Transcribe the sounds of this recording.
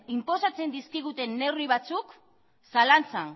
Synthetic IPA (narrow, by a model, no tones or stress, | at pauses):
impo̞sat͡se̞nd̪iskiɣ̞ut̪e̞nːe̞wrβiβ̞at͡suk | salant͡san